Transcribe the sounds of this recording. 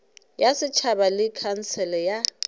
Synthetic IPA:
jasɪt͡ʃʰabalɪkʰan̩sɛlɛja

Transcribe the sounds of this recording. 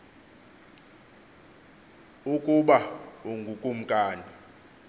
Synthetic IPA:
ukʼuɓauŋɡʱukʼum̩kʼaːni

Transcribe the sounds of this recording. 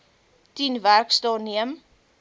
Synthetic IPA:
tinværkstɑniəm

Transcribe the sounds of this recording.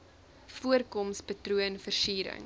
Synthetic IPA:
fuərkɔmspətruənfərsiːɾə̰ŋ

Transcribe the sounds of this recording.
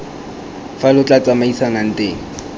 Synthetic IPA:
falʊt͡ɬat͡sʼamaisanan̩tʼeːŋ̩

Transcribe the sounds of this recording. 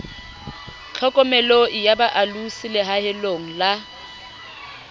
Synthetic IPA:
t͡ɬʰɛkʼɔmɛloɪjabaʔalusɪlɪɦahɪloŋ̩la

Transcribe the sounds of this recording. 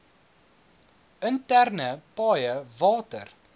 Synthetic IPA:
əntærnəpɑːjəvɑːtə̰r

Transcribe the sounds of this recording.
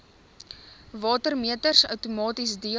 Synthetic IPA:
vɑːtərmiətərsœ̰wtumɑːtisdiə

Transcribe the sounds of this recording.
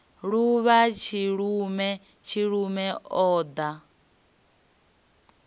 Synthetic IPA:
ɺuβat͡ʃʰiɺumɛ | t͡ʃʰiɺumɛɔːd̪a

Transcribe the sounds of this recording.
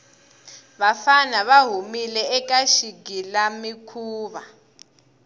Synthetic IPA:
βafanaβaɦumilɛɛk̬ʼaʃiɡʱilamikʰuːβa

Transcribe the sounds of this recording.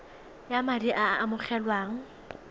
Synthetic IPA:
jamadiʔaːmʊχɛlwaːŋ̩

